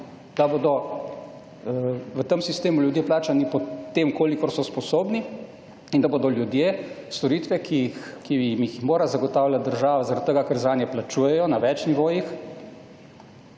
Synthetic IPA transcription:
d̪aboːd̪ɔ | ʋət̪əmsist̪eːmuljud̪jeːplaːt͡ʃanipɔt̪eːmkoːlikɔɾsɔspɔsoːbni | ind̪abod̪ɔljud̪jeːst̪ɔɾiːt̪ʋɛkixkimixmoːɾazaɡɔt̪aːwlʲjat̪̚d̪əɾʒaːʋazaɾat̪t̪ːəɡakəɾzaːnjɛplat͡ʃuːjɛjɔnaʋɛt͡ʃniʋoːjix

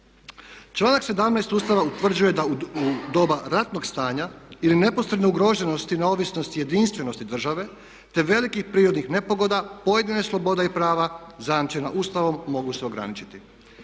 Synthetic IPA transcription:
t͡ʃlˠaːnakse̞d̪amnajst̪uːst̪aʋaut̪ʋr̩d͡ʑuje̞d̪aud̪o̞ːbaɾat̪no̞ɡst̪aːɲailine̞po̞sɾed̪neuɡɾo̞ʒe̞no̞st̪ineo̞ʋisno̞st̪ije̞d̪inst̪ʋe̞no̞st̪id̪r̩ʒaʋe̞ | t̪e̞ʋe̞likixpɾiːɾod̪nixne̞po̞ɡo̞d̪apo̞je̞d̪ineslˠo̞bo̞d̪aipɾaːʋazajamt͡ʃena̰ʔuːst̪aʋo̞mːo̞ɡuse̞o̞ɡɾa̰nit͡ʃi̥t̪i

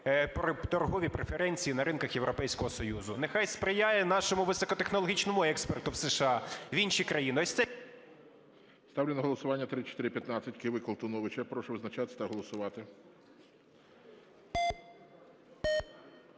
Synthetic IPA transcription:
pɾɔt̪ɔrɦɔʋʲipɾefeɾɛnʲt͡sʲijinɐɾɪnkɐxjewɾɔpɛjsʲkɔɦɔsɔjuzʊnexɑjspɾɪjajɛnɑʃɔmʊʋɪsɔkɔt̪exnɔlˠɔɦʲit͡ʃnɔmʊɛkspert̪ʊwseʃɑʋʲinʃikɾɐjinɪɔsʲt̪ɛ | st̪ɑʋwlʲɪnɐɦɔlˠɔsʊʋɑnʲːɐt̪ɾɪt͡ʃɔt̪ɪɾʲɪpʲjɐt̪nat͡sʲːɐtʲkɪʋɪkɔlˠt̪ʊnɔʋɪt͡ʃɐpɾɔʃʊʋɪznɐt͡ʃat̪ɪt̪ɐɦɔlˠɔsʊʋɑt̪ɪ

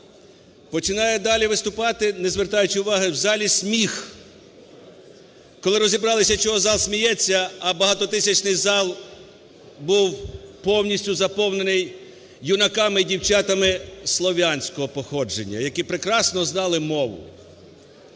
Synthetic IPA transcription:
pɔt͡ʃɪnɑjɛd̪ɑlʲiʋɪst̪ʊpɑt̪ɪnɛzʋert̪ɑjʊt͡ʃɪʊʋɑɦɪwzɑlʲisʲmʲix | kɔlˠɪɾɔzʲibɾɑlˠɪsʲɐt͡ʃɔɦɔzɑlˠsʲmʲijɛt͡sʲːɐːbɐɦɑt̪ɔt̪ɪsʲɐt͡ʃnɪjzɑlˠ | buwpɔwnʲisʲtʲʊzɐpɔwne̞nɪj | junɐkɑmɪdʲiwt͡ʃɑt̪ɐmɪslˠɔʋʲanʲsʲkɔɦɔpɔxɔd͡ʒenʲːɐ̰jɐkipɾɪkɾɑsnɔznɑlˠɪmɔʋʊ̰

